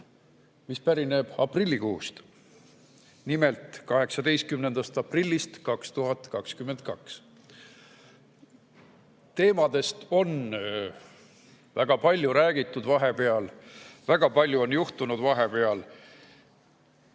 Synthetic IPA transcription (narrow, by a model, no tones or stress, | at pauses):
mispæɾine̞b̥ɑprilʲːikuːst̪ | nime̞lt̪ˑkɑɦe̞ksɑd̪e̞jst̪̚kymne̞nd̪̥ɑst̪ɑprilʲːist̪kɑkst̪uɦɑt̪kɑkskyment̪̚kɑks | t̪e̞ːmɑd̪̥e̞st̪o̞n | væɡ̥ɑpɑlʲjuɾæːɡit̪ːˑud̪̥vɑɦe̞pe̞ɑlvæɡ̥ɑpɑlʲjuo̞njuht̪unud̪vɑɦe̞pe̞ɑl